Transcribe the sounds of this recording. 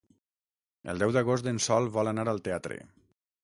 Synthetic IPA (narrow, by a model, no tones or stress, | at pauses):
ə̰lˠd̪ɛwd̪əɣost̪d̪ensɔlˠβɔlənaɾəlˠt̪eat̪ɾḛ